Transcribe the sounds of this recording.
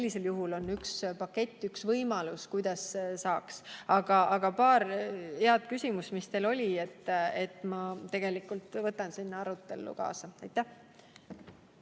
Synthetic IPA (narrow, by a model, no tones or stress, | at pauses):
selʲːise̞ljuɦulo̞nːykspɑkːe̞t̪ʲˑːyksvɤjmɑluskujd̪̥ɑssɑːksɑɡ̥ɑɑɡ̥ɑpɑːɾheɑd̪̥̚kysʲimusmist̪e̞lo̞lʲie̞t̪ːe̞t̪mɑt̪e̞ɡ̥e̞likult̪vɤt̪ːˑɑnsinːɑɑɾut̪ːˑe̞̰lːṵkɑ̰ːsɑɑjt̪ːæh